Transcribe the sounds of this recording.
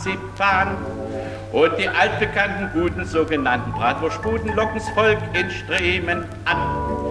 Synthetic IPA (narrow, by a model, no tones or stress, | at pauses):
t͡sipaːn | ʔʊnt̚d̥iːʔalt̚b̥əkʰantn̩ɡuːtn̩zoːɡənantn̩bʁaːtv̥ʊɐʃpuːdn̩lɔkŋ̩sfɔlkɪnʃtʁ̥eːmən | ʔan